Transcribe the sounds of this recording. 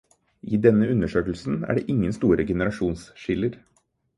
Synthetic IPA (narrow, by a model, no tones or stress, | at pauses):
ʔiːd̪ɛnːəʉnəʂøːkəlsn̩æ̰ːɖḛːʔɪŋːənst̪uːɾəɡɛnəɾɑʂuːnsʃɪləɾ